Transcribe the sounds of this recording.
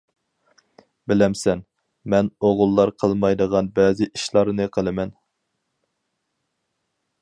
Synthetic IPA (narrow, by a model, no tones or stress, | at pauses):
bɪlɛmsɛn | mɛnoʁʊlˠːɑɾqʰəlˠmɑjd̪əʁɑnbɛːzɪʔiʃlˠɑɾnɨqʰəlˠɨmɛn